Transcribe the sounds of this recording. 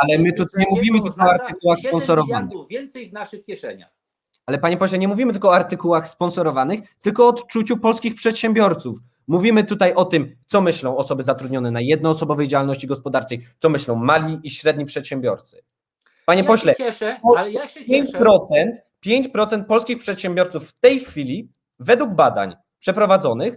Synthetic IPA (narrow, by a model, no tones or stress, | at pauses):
alɛmɘt̪ut̪aɲɛmuvʲimɘt̪ɪlkɔɔaɾt̪ɨkuwaxspɔnsɔɾɔvanvʲjɛnt̪sɛjvnaʂɨkʲɛʂɛɲax | alɛpaɲɛpɔɕlɛɲɛmuvʲimɘt̪ɘlkɔɔaɾt̪ɘkuwaxspɔnsɔɾɔvanɘxt̪ɘlkɔːt̪t͡ʂut͡ɕupɔlskʲixpʂɛt̪ɕɛmbʲjɔɾt̪suf | muvʲimɘt̪ut̪ajʔɔt̪ɘmt̪sɔmɘɕlɔ̃w̃ɔsɔbɘzat̪ɾud̪ɲɔnɛnajɛd̪nɔːsɔbɔvɛjd͡ʑawalnɔɕt͡ɕiɡɔspɔd̪aɾt͡ʂɛjt̪sɔmɘɕlɔ̃w̃malʲiːɕɾɛd̪̚ɲipʂɛt̪ɕɛmbʲjɔ̰ɾt̪sɘ̥ | paɲɛpɔɕlɛɛpɔpʲjeɲt͡ɕpɾɔt̪sɛnt̪ | pʲjeɲt͡ɕpɾɔt̪sɛnt̪̚pɔlskʲixpʂɛt̪ɕɛmbʲjɔɾt̪sufːt̪ɛjxfʲilʲi | vɛd̪wuɡ̚bad̪a̰ɲ | pʂɛpɾɔvad̪zɔnɘx